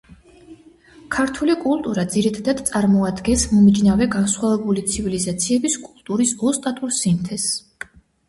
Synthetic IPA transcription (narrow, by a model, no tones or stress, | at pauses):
kʰaɾt̪ʰulikʼulˠt̪ʼuɾad̪ziɾit̪ʰad̪ad̪t̪sʼaɾmɔad̪ɡɛnsmɔmid͡ʒnavɛɡansχwavɛbulit̪sʰivilizat̪sʰiɛbiskʼulˠt̪ʼuɾisɔst̪ʼat̪ʼuɾsimt̪ʰɛs